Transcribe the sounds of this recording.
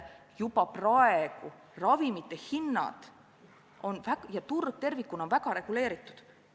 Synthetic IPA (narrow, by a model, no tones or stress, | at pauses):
jupɑprɑeɡ̥u | rɑvimit̪ːˑehinːɑ̰d̪̥ | o̞nvækjɑt̪urɡ̥̚t̪e̞rvikːˑuno̞nvæɡ̥ɑɾe̞ɡ̥ule̞ːɾit̪ːˑu̥d̪̥